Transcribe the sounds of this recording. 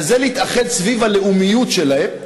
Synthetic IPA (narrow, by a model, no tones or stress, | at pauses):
zelehit̪aχe̞d̪svivaleʔumijut̪ʃelahe